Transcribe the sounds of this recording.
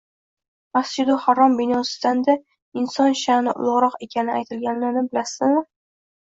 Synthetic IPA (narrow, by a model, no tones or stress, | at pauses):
masd͡ʒɪd̪ʊhaɾɒmbɪnɒsɪ̥d̪and̪a | ɪnsɒnʃanɪʔʊ̰lˠʊʁɾɒqe̞kʲʰanɪajt̪ʰɪlɡʲanlanɪbɪlasɪzmɪ